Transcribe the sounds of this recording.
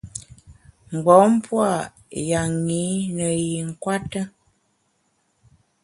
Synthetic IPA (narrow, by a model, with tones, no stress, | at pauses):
ŋ̩˨ɡ͡bɔ˨˦m̩˦pwa˦˨ | ja˨ŋi˨˦nə˨ji˨ŋ̩˨kwa˦tə˦